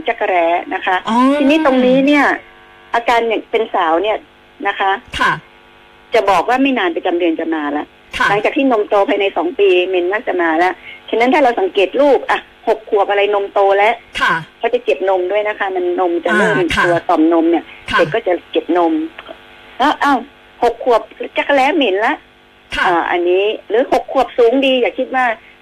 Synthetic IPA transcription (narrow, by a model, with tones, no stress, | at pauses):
t͡ɕa˧˩ka˧ɾɛː˧˩na˦˥kʰa˦˥ʔt̪ʰiː˧niː˦˥t̪o˧ŋniː˦˥ni˥˩ɐ | ʔaː˧kaː˧njaː˨˩ŋpe˧nsaː˨˩˦wni˥˩ | na˦˥kʰa˦˥˩ | t͡ɕa˨˩bɔː˨˩k̚waː˥˩ma˥˩jnaː˧npa˧t͡ɕa˧mdɯ˧ənt͡ɕa˨˩maː˧lɛ˦˥ʔʰla˨˩˦ŋt͡ɕaː˨˩kt̪ʰiː˥˩no˧mt̪oː˧pʰaː˧jna˧jsɔː˩˦ŋpiː˧me˧nmaː˥˩k̚t͡ɕa˨˩maː˧lɛ˦˥ʔt͡ɕʰa˧nːa˦˥nt̪ʰaː˥˩ɾa˧wsa˩˦ŋkeː˨˩t̪̚luː˥˩p̚ʔa˨˩ | ho˨˩kʰːu˨˩əp̚ʔa˧ɾa˧jno˧mt̪oː˧lɛ˦˥ʔʰkʰa˧˥wt͡ɕa˨˩t͡ɕe˨˩p̚no˧mdu˥˩əjna˦˥kʰa˦˥ma˧nːo˧mt͡ɕa˨˩lɤː˥˩mt̪u˧ɐsɔ˨˩mno˧mni˥˩ɐde˨˩k̚kɔː˥˩t͡ɕa˨˩t͡ɕe˨˩p̚no˧mʰ | lɔ˦˥ʔa˧˩w | ho˨˩kʰːu˨˩əp̚t͡ɕa˦˥˩kʰa˧˩lɛː˦˥me˨˦nla˦˥ʔʰ | ʔaː˨˩ʔa̰˧nːiː˦˥lɯː˨˦ho˨˩kʰːu˨˩əp̚suː˨˦ŋdiː˧jaː˨˩k̚ʰi˦˥t̪̚waː˥˩